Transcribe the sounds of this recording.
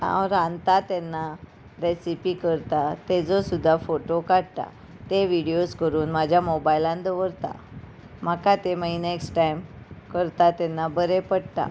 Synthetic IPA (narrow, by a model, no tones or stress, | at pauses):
ã̰wɾãnt̪at̪ɛnːa | ɾesipikəɾt̪at̪ed͡zɔsud̪ʱːafoʈokaɽt̪a̰ | t̪eʋiɽijoskəɾuːnmad͡ʑʱjamobajlãnd̪əʋəɾt̪a̰ | m̤əkat̪eməineksʈʈajmkəɾt̪at̪ɛnːabəɾepəɽt̪a̰